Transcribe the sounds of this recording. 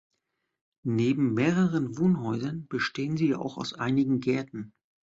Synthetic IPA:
neːbm̩meːʁəʁənvoːnɦɔʏzɐnb̥əʃteːənziːa̰ːʔa̰ʊxa̰ʊsʔaɪnɪɡŋ̩ɡɛɐtn̩

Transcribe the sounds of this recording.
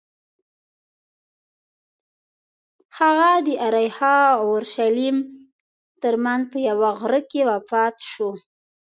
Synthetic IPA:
haɣad̪əʔaɾajhɑʊɾʃalim | t̪əɾmanzpəjawaɣɾəkewapɑt̪ʃu

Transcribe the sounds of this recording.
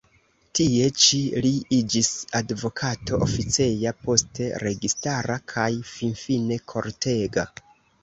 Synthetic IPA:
tie̞t͡ʃiliid͡ʒisadvo̞kʰato̞ʔofit͡se̞japo̞ste̞ɾe̞ɡistaɾakʰajfinfine̞kʰo̞ɾtʰe̞ɡa

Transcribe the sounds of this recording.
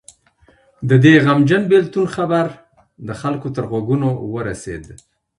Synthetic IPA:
d̪əd̪eɣamd͡ʒənbelt̪unxabaɾ | d̪əxalkot̪əɾɣwaɡunowəɾasḛd̪

